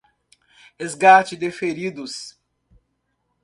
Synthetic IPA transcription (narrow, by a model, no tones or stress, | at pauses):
hezɡat͡ʃɪd̪efeɾid̪ʊs